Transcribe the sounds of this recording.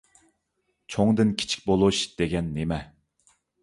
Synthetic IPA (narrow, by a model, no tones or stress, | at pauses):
t͡ʃʰoŋd̪ɨnkʲʰi̥t͡ʃʰi̥k̚ʲbolˠuʃd̪̥eɡʲɛnːemɛ